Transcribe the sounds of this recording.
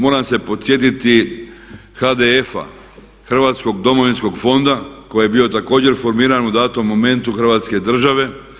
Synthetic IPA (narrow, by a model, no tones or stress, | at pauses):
moɾamse̞po̞t̪sje̞t̪it̪i | xad̪e̞efa̰ | xr̩ʋaːt̪sko̞ɡ̚d̪o̞moʋinsko̞ɡfo̞nd̪ako̞jejebiːo̞t̪ako̞ːd͡ʑe̞ɾfo̞ɾmiːɾanud̪aːt̪omːome̞nt̪uxr̩ʋaːt̪ske̞d̪r̩ʒaʋe̞